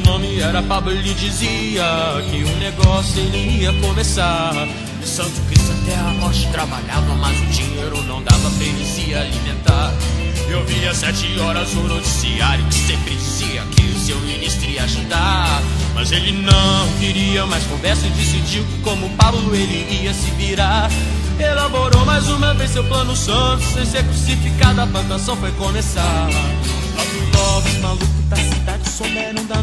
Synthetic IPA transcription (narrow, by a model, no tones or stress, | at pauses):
nõmɪɛɾɐpablʊlɪd͡ʒiziɐkɪũneɡɔsʊelɪiɐkõmesaɾ | sɐ̃t̪ʊkɾisat̪ɛɐnɔɾt͡ʃɪt̪ɾabaʎavɐmajzʊd͡ʒĩɲejɾʊonɐ̃w̃d̪avɐpeɾɪsialimẽnt̪aɾewviɐsɛt͡ʃɪɔɾɐzonot͡ʃi̥sḭaɾjʊkɪ̥sepɾɪd͡ʒziɐ̰kɪsewminist̪ɾiaʒud̪amɐ̰zelɪnɐ̃w̃viɾiɐmajskõvɛɾsɐɪd͡ʒesid͡ʒiwkkõmʊpawlʊelɪiɐsɪviɾaɾ | elaboɾomajzũmɐvẽjzsewplɐ̃nʊsɐ̃t̪ʊ̥ssẽj̃sekɾusifikad̪ʊɐplɐ̃t̪asɐ̃w̃fojkõmesa | lɔwvut̪ɔvɐsmalukɪt̪asid̪ad͡ʒɪsomɛɾũd̪a